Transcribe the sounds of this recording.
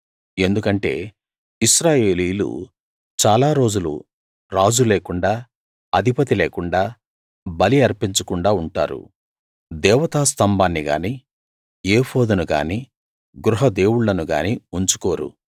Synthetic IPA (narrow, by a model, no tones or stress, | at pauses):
e̞nd̪ukɐɳʈe̞̰ː | iʃɾaːje̞ːliːlṵ | t͡ʃaːlaːɾo̞ːd͡ʒulṵ | ɾaːd͡ʒuleːkuɳɖaː | ɐd̪ʱipɐt̪̬ileːkuɳɖaː | bɐliɐɾpiɲt͡ʃɐkuɳɖaːuɳʈa̰ːɾṵ | d̪ɛːʋɐt̪aːst̪ɐmbaːnːiɡa̰ːniː | eːpʰo̞ːd̪ɐnuɡa̰ːniː | ɡɾuɦɐd̪e̞ːwuɭːɐnuɡa̰ːniuɲt͡ʃu̥koːɾṵ